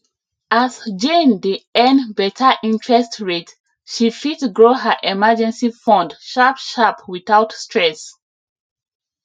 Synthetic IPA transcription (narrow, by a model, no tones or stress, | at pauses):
ʔasd͡ʒẽndiɛ̃nbɛtʰəʔĩntʰɹɛstɹet | ʃifitɡɹoɦəʔɛməd͡ʒɛ̃nsifɔ̃ndʃapʃapwiθaʊtstʰɹɛs